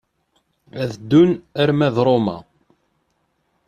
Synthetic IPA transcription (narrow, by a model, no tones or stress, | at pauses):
æðd̪ːʊnæɾmæðɾˤomæ̰